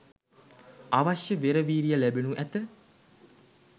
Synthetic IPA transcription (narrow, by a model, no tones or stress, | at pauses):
aʋaʃjəʋeɾəʋiːɾijəlæbenuʔæt̪ə